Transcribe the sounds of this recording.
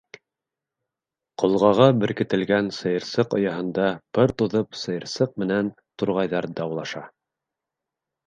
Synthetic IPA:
qŏlˠʁɑʁɑbɘ̆ɾkɘ̆t̪ɘ̆lɡænsɤ̆jɤ̆ɾsɤqŏ̰jɑɦɤ̆nd̪ɑpɤɾt̪uðɤpsɤ̆jɤ̆ɾsɤq̚mɘ̆næn | t̪uɾʁɑjðɑɾd̪ɑwlˠɑʃɑ

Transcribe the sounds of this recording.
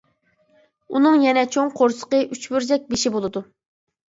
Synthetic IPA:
unɨŋjɛnɛt͡ʃʰoŋqʰoɾsə̥qəʔyt͡ʃbyɾzɛk̚ʲbeʃibolˠɨd̪u

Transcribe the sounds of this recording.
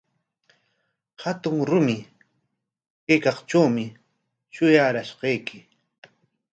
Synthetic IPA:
hat̪ʊŋɾʊmɪ | kejkɑχt͡ʃawmɪ | ʃʊjaːɾaʃqɑjkʰɪ

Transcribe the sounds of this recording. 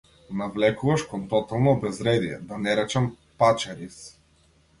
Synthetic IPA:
navlɛkuvɐʃkɔnt̪ɔt̪alˠnoːbɛzɾɛd̪iɛ̰d̪anɛɾɛt͡ʃɛm | pat͡ʃaɾis

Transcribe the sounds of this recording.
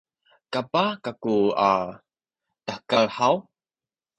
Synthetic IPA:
kapakakua | əħkalħaw

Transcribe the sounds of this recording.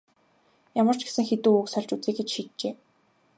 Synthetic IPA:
jamə̆r̥t͡ɕɡe̥sɘ̆ŋxet̪uːuksœɮʲt͡ɕut͡siːkɡet͡ɕʃiːt̪̚t͡ɕeː

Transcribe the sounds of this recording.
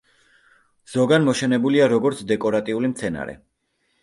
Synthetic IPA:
z̥ɔɡanmɔʃɛnɛbuliaɾɔɡɔɾt̪sʰd̪ɛkʼɔɾat̪ʼiulimt̪sʰɛna̰ɾɛ̰

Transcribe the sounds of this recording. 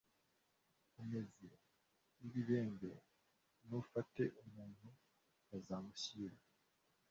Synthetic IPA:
ume̞ze | iβiβe̞ːŋbe | nufate̞ʔumuːn̥hu | azamuɕiːɾa

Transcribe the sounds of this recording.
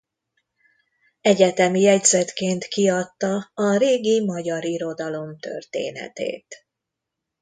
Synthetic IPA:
ɛɟɛt̪ɛmijɛɟzɛt̪keːnt̪kiɒt̪ːɒːɾeːɡimɒɟɒɾiɾo̞d̪ɒlo̞mt̪ø̰rt̪ḛːnɛ̰t̪ḛːt̪

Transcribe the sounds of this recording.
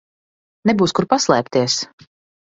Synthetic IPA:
nɛbuːskuɾpaslˠɛːp̚t̪iɛs

